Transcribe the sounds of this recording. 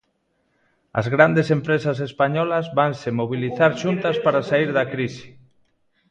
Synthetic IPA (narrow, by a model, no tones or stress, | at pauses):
ɐ̰zɣɾand̪esempɾesasespaɲɔlazβansemoβ̞iliθaɾʃunt̪aspaɾasaiɾðakɾisi̥